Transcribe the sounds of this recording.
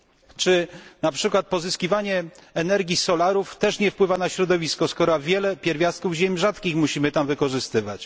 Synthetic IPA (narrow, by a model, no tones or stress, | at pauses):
t͡ʂɘnapʂɘkwat̪̚pɔzɘskʲivaɲɛɛnɛɾɡʲisɔlaɾuft̪ɛʂɲɛfpwɘvanaɕɾɔd̪ɔvʲiskɔskɔɾavʲjɛlɛpʲjɛɾvʲjast̪̚kuvʑemʲʐat̪kʲixmuɕimɘt̪amvɘkɔʐɘst̪ɘvat͡ɕ